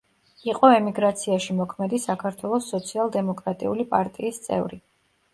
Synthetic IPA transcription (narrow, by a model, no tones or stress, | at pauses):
iqʼɔɛmiɡɾat̪sʰiaʃimɔkʰmɛd̪isakʰaɾt̪ʰwɛlˠɔsːɔt̪sʰialˠd̪ɛmɔkʼɾat̪ʼḭulipʼaɾt̪ʼiːst̪sʼɛ̰vɾi